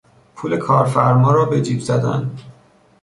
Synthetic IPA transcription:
pʰuːle̞kʰɒːɾfæɾmɒːɾɒːbed͡ʒiːbzæd̪æ̰nd̪

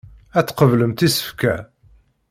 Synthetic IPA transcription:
æt͡sːqəvləmt̪isə̥fkæ

